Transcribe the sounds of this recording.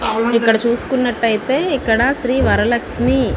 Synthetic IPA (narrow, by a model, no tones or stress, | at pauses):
ikːɐɽɐt͡ʃuːskunːɐʈːɐjt̪eikːɐɽasɾiːʋɐɾɐlɐksmi